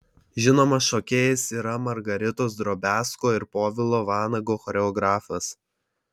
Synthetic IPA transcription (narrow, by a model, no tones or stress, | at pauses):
ʒʲɪnoːmɐsʃɔkʲeːjɛsiːɾɐmɐɾɡɐɾʲɪt̪oːsd̪ɾoːbʲæːskoːɪɾpoːʋʲɪlˠoːʋɑːnɐɡoːxɔːɾʲɛɔɡɾɑːfɐs